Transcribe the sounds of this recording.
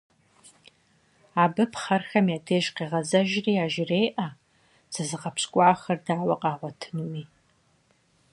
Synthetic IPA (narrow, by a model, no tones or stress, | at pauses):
aːbɨpʰχɐrxɐmjatʰeːʒqiːʁɐzɐʒriːaːʒɪrejʔɐ | sɨzɨʁɐpɕkʷʼaʕaxɐrdaːwɐqʼɑːʁʷɔtʰɨnuwi